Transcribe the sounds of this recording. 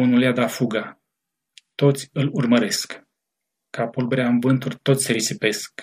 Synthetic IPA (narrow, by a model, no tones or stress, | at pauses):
unulead̪afuɡa | t̪o̞t̪sʲɨlurməɾe̞sk | kapulbɾeanvɨnt̪urt̪o̞t̪sʲseɾisipe̞sk